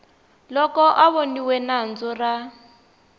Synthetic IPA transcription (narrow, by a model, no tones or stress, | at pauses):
lɔkɔʔaβoniwɛnand͡zʊra